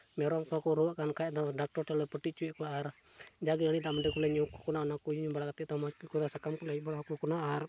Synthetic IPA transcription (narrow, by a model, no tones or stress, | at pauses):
mɛɾɔkakuɾuaʔkankaɛt̪adak̚tɔrtalɔpəʈit͡ʃuɛkuʔard͡ʒaɡinanit̪amədɛkulɛɲuku̥kunaɔnakujuɲubalakat̪ɛʔt̪amakikut̪asakamkulabalakukunaar